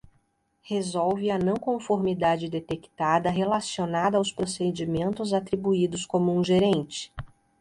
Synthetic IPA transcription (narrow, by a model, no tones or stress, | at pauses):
hezɔwvɪɐnɐ̃w̃kõfoɾmid̪ad͡ʒɪd̪et̪ekt̪ad̪ɐɦelasionad̪ɐawspɾosed͡ʒimẽnt̪ʊzat̪ɾibuid̪ʊskõmʊũʒeɾẽnt͡ʃɪ̥